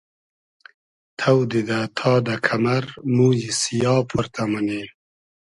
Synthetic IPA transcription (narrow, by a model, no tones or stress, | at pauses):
t̪ʰawd̪id̪at̪ʰɑːd̪akʰamaɾmuːjisijɑːpʰuɾt̪ʰamane